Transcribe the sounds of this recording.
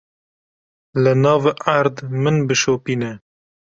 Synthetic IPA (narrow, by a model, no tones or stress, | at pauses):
lɨnɑːvʔaɾd̪mɨnbɨʃoːpiːnɛ